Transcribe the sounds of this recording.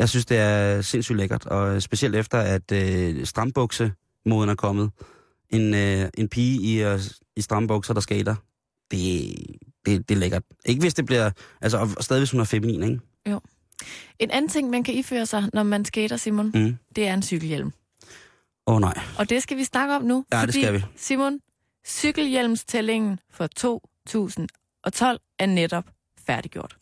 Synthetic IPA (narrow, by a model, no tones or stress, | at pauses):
jɑɪsynsd̥e̝æɐse̝n̰sy̰ːd̥leɡ̥ɐd̥ɒ̽sb̥e̝siel̰d̥efd̥ɐæd̥øsd̥ʁɑ̈mb̥ɔ̽ɡ̥sə | moːðˠənæɐkʰɒ̽mð̩ˠ | e̝nøʔe̝npʰiːi | isd̥ʁɑ̈mb̥ɔ̽ɡ̥sɐd̥ɑ̈sɡ̥ḛːd̥ɐ | d̥e̝ | d̥e̝d̥e̝leɡ̥ɐd̥ʔe̝ɡ̥əʋe̝sd̥e̝b̥liɐ̰ʔæls̬əɒsd̥ɛðˠiʋeshunæɐfeminḭːneŋ | o | e̝nʔæn̩t͡sʰe̝ŋ̰mænkʰæifø̰ːɐsɑ̈ɪnɒmænsɡ̥eːɾ̥ɐsimond̥e̝æɐe̝nsyɡ̥l̩jel̰m | onɑ̈ɪ̰ʔɒ̽d̥e̝sɡ̥æʋisnɑ̈ɡ̥əɒ̽mnuɒd̥e̥ḭæʋisimon | syɡ̥l̩jel̰mst͡sʰele̝ŋn̩fɒ̽t͡sʰo̝̰ː | t͡sʰṵːsn̩ | ʔɒ̽t͡sʰɒ̽l̰ | æɐneɾ̥ɒ̽b̥ | fæɐɾiɡ̥jo̝ɐ̰d̥